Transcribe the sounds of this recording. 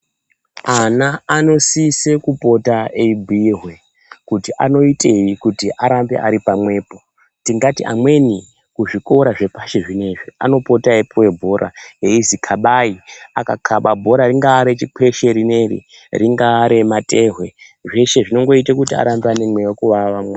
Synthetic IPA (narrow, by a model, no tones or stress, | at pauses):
anaːno̞sise̞kupo̞taeibʱuiɦwe̞ | kutiʔa̰no̞itʼe̞jikutiʔaɾambḛʔaɾipamwe̞ːpo̞ | tiŋɡatiʔa̰mwe̞ni | kuʐiko̞ɾaʐe̞paʃe̞ʐine̞ʐia̰no̞po̞taepuwe̞bʱo̞ɾʔa̰e̞izikʰaɓaiakakʰaɓabʱo̞ɾaɾiŋɡaːɾet͡ʃikʰe̞ʃe̞ɾine̞rḭ | riŋɡaːɾemate̞ɦwe̞ʐe̞ʃe̞ʐino̞ŋɡo̞itakutia̰ɾambeane̞mwe̞jokuʋaʋamwe